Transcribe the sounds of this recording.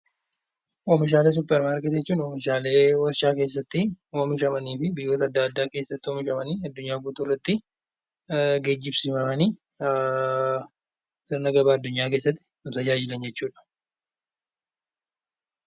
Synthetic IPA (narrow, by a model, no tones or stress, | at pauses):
ʔomɪʃ̬aːle̞ːs̬ʊpːɛɾmaːɾkɛt̪d͡ʒɛt͡ʃːuːnoːmɪʃaːle̞ːwɐɾʃaːkeːs̬ːɐt̪ːɪomɪʃɐmɐniːfɪbɪjːo̞ːt̪ɐːd̪ːaːd̪ːaːke̞ːsːɐt̪ːɪɔmɪʃɐmɐniːɐd̪ːʊɲːaːɡuːt̪uːrːɐt̪ːɪ | ɡeːd͡ʒːɪbsɪmɐmɐniː | sɪɾnɐɡɐbaːɐd̪ːʊɲːaːke̞ːsːɐt̪ːɪ̥nʊt̪ɐd͡ʒaːd͡ʒɪlɐnd͡ʒɛt͡ʃːuːᶑɐ̥